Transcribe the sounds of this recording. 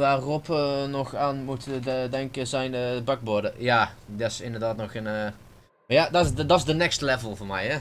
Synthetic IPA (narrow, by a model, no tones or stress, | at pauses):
ʋaːrɔpənɔxaːnmutəədɛŋkəzɛjnəbɑɡ̚boɹdəjaːdɪsɪndərdaːtnɔxən | jaːdɔdɑtzdənɛkstəlɛvəlˠvoːɹmɛjhɛ